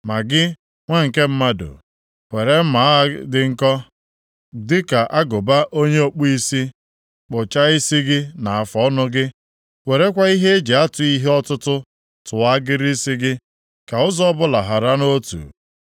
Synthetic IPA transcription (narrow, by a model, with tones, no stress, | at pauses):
ma˨ɡɪ˦ | ŋʷe˦ŋ̩˨ke˦m̩˦ma˦do̰˨ | we˨ɾe˦m̩˦ma˨˦dɪ˦ŋ̩˦kɔ˦ | dɪ˦ka˨ʔa˦ɡʊ˨ba˦ʔo˦ɲe˦o˦k͡pu˦i˦si˦ | k͡pʊ˨t͡ʃa˦i˦si˦ɡɪ˦na˨a˨fɔ˨ɔ˦nʊ˦ɡɪ˦ | we˨ɾe˦kʷa˦i˦ɦe˦e˦d͡ʒe˨a˦tʊ˨i˦ɦe˦ɔ˦tʊ˦tʊ˦ | tʊ˨a˦ɡɪ˦ɾi˦si˦ɡɪ˦ | ka˨ʊ˦zɔ˦bʊ˦la˨ɦa˨ɾa˦no˦tṵ˨